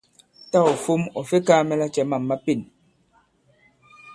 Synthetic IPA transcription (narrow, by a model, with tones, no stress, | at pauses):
ta˦ɔ˨fu˦mɔ˨fe˦kaː˦mɛ˦la˦t͡ʃɛ˨ma˨mːa˦pi˦˨n